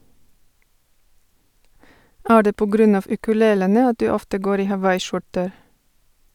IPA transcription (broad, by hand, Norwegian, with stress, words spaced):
ˈæː ˈɖeː ˈpoː ˈɡɾʉn ˈɑːʋ ʉkʉˈleːlənə ˈɑt ˈdʉː ˈɔftə ˈɡoːɾ ˈiː hɑˈʋɑɪˌʃʊʈəɾ